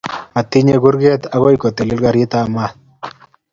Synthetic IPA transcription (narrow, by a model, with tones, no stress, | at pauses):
a˨t̪i˦ɲeɡu˦ɾɡe˦t̪aɣo˦jko˨t̪e˨lɪ˦lɡa˨ɾi˦t̪a˨ma˦